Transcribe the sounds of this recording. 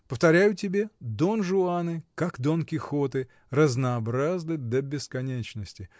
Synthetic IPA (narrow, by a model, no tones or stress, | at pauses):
pəft̪ɐɾʲæjʊtʲɪbʲed̪onʐʊanɨkakd̪onkʲɪxot̪ɨ | rəznɐːbɾaznɨd̪əbʲɪskɐnʲet͡ɕnəsʲtʲɪ